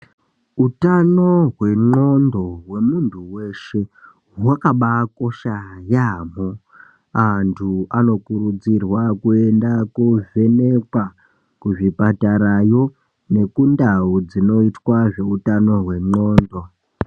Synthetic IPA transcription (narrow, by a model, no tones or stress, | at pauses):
utano̞ɦwe̞ŋ͡ǃo̞ndo̞ɦwe̞muntʰuwe̞ʃe̞ | ɦwakaɓako̞ʃajamo | antʰuano̞kuɾud͡zirwakue̞ndakuve̞ne̞kwa | kuʐipataɾajo̞ | ne̞kundaud͡zino̞itwaʐe̞utano̞ɦwe̞ŋ͡ǃo̞ːndo̞